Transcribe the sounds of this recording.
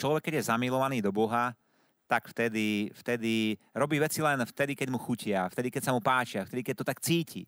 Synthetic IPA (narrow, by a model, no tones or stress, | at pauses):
t͡ʃlɔʋɛkːɛɟjɛzamilɔʋaniːd̪ɔbɔɦa | t̪akft̪ɛd̪ift̪ɛd̪i | ɾɔbiːʋɛt͡silɛnft̪ɛd̪ikɛɟmuxucɪaft̪ɛd̪ikɛcsamupaːt͡ʃɪaft̪ɛd̪ikɛc̚t̪ɔt̪akt͡siːcʰḭ